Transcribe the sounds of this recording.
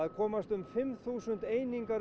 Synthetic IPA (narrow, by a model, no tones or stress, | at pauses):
aðkʰɔːmast̪ʏmfɪmθuːsʏnt̪eːjniŋkaɾ